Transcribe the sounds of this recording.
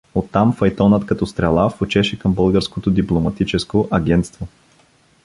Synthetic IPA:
ot̪ːamfɐjt̪ɔnət̪kɐt̪ɔst̪ɾɛlˠafot͡ʃɛʃɛkəmbɤlˠɡəɾskot̪od̪iplˠomɐt̪it͡ʃɛskoʔɐɡʲɛnt̪st̪vo

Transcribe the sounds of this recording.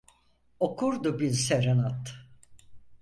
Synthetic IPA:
o̞kʰuɾd̪ubiɾseɾenat̪

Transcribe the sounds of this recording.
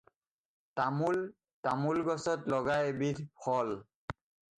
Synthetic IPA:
tamul | tamulɡɔsɔtlɔɡajbitpʰɔl

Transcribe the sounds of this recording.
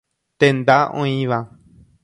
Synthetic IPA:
t̪end̪aʔõ̰ĩβã

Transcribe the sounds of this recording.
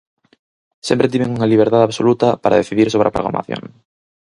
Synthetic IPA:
sempɾet̪̬imeŋuŋaliβ̞eɾt̪aðaβsolut̪apaɾʔa̰ðeθiðiɾsoβɾeapɾoɣɾa̰ma̰θjo̰ŋ

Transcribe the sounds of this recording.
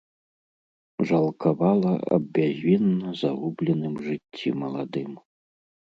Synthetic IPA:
ʐalˠkʰaβalˠɐa̰bʲːaʑʲβʲinːɐzaʁublʲɛnɨmʐɨtʲʰːḭmɐlˠad̪ɨm

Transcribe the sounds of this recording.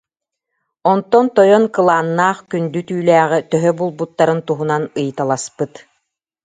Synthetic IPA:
ɔnt̪ɔnt̪ɔjɔnkɯlˠaːnːaːχkynd̪yt̪yːlæːʁit̪œɦœbulˠbut̪ːaɾɯnt̪uɦunanɯjt̪alˠaspɯt̪

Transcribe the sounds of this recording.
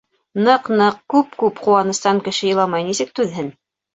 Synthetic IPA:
nɤqnɤq̚kʉp̚kʉpquwɑnɤ̆st̪ɑŋkɘ̆ʃɘ̆jɤ̆lˠɑmɑjnisɘ̆k̚t̪ʉðɦɘn

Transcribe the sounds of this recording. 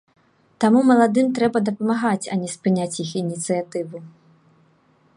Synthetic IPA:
t̪amumɐlˠad̪ɨmt̪ɾɛbɐd̪ɐpɐmaɣat͡sʲɐ̰nʲɛspɨnʲat͡sʲjixinʲit̪sɨjat̪ɨvu

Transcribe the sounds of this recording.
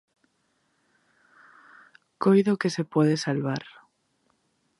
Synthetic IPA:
kojðokesepwoð̞esalβaɾ

